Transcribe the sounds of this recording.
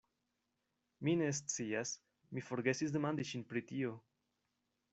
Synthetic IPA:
mines̬t͡sias | mifo̞ɾɡe̞sis̬d̪emand̪iʃinpɾit̪io̞

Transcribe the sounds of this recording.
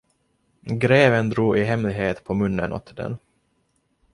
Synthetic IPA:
ɡɾeːvənd̪ɾuːʔɪɦɛmlɪɡɦeːt̪pʰɔmɵnːənʔɔ̰t̪ʰːd̪ɛ̰n

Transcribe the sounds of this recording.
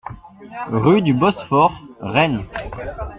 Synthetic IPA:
ʁyd̪ybɔsfɔʁʁɛn

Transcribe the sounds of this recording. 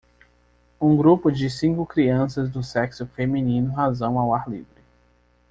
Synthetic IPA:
ũɡɾupʊd͡ʒɪsĩŋkʊkɾiɐ̃sɐzd̪ʊsɛksʊfemĩnĩnʊɦazɐ̃w̃awaɾlḭvɾɪ

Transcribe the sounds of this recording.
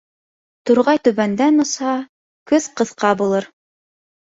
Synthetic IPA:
t̪uɾʁɑjt̪ɵ̆βænd̪ænŏshɑ | kɵθqɤ̆θqɑbulˠɤɾ

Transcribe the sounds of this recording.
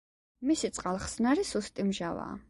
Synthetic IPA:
misit̪sʼqʼalˠχsnaɾisust̪ʼimʒava̰ː

